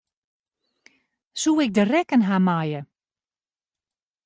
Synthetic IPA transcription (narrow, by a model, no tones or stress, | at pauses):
suːɪk̚dərɛkənɦamajə